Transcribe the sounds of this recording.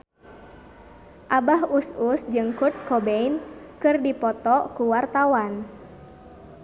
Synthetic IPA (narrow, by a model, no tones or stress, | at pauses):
ʔabahususd͡ʒɨŋkurt̪̚kɔbeinkɨrdipɔt̪ɔkuwart̪awan